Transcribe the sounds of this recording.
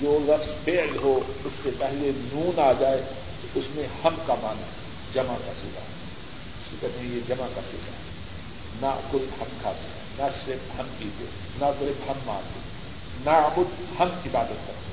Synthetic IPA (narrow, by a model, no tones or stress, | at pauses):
d͡ʒoːɾɐfspeːlɦoʊsːepɛɦlenuːnaːd͡ʒaːe | ʊsmẽhɐmkamaːna | d͡ʒɐmakaseːɡa̰ɦ | ʊskekɐd̪ẽjed͡ʒɐmakaseːɡa̰ɦɛ | nakʊt̪hɐmkʰaːt̪e | naʃɾɪbhɐmpiːt̪ḛ | nasɪɾɪbhɐmːã̰ːɾt̪e | nabʊd̪ | hɐmɪbaːd̪ət̪̚kɐɾt̪e